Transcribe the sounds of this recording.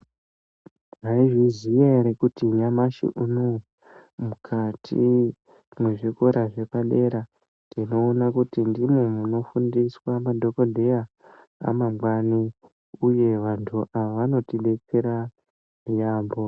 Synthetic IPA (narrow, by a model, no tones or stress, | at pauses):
ʐaiʐizijeɾekutiɲamaʃḭʔuno | mukʰatʰḭ | mweʐikoɾaʐe̞paɗe̞ɾa | ndino̞ːnakutindimomuno̞fundiswamadʱo̞ko̞dʱe̞ja | a̰mamwani | uje̞ʋantʰuʔaaʋano̞tiɗe̞t͡seɾa | mijaːmbo̞